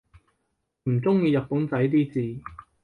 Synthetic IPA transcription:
m̩˨˩t͡sʊ˥ŋjiː˧jɐ˨t̚pu˨˥nt͡sɐ˨˥jt̪̬iː˥t͡siː˨˧

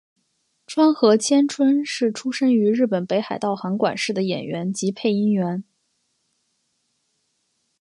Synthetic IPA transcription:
ʈ͡ʂʰwa˥nxɤ˧˥t͡ɕʰjɛ˥nʈ͡ʂʰwə˥nʂɻ̩˥˩ʈ͡ʂʰu˥ʂə˥ŋy˧˥ɻɻ̩˥˩pə˨˩npe˧˥ɪxa˨˩ɪt̪ɑ˥˩ʊxɑ˧˥ŋkwa̰˨˩nʂɻ̩˥˩d̪ə˩jɛ̰˨˩nɥɛ˧˥nt͡ɕi˧˥pʰe˥˩ɪi˥ŋɥɛ˧˥n

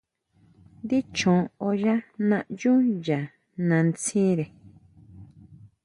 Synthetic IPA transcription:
nd̪i˦t͡ʃõ˨o˧ʒa˦nã˧ʔju˦ja˨ | nã˧nt͡sĩ˦ɾe˨

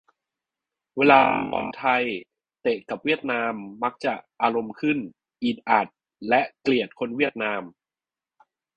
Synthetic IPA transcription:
weː˧laː˧˩p̪ɔ̰˧˩nt̪ʰa˧j | t̪e˨˩ka˨˩p̚wi˥˩ət̪̚naː˧mːa˦˥k̚t͡ɕa˨˩ʔʔaː˧ɾo˧mkʰɯ˥˩n | ʔiː˨˩t̪̚ʔa˨˩t̪̚ | lɛ˦˥ʔkli˨˩ət̪̚kʰo˧nwi˥˩ət̪̚naː˧m

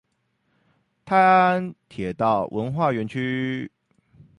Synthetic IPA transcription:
t̪ʰa˥ɪa˥nt̪ʰjɛ˨˩t̪ɑ˥˩ʊwʔə˧˦˥nxwa˥˩ɥɛ˧˥nt͡ɕʰy˥

